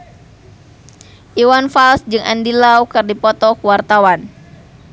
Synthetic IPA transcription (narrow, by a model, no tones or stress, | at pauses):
ʔiwanfalsd͡ʒɨŋʔa̰ndilaukɨrdipɔt̪ɔkuwart̪awan